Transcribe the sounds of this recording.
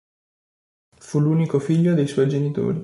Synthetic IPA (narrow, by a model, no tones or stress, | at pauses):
fuluːnikofiʎːod̪ejswɔjd͡ʒenit̪o̰ːɾi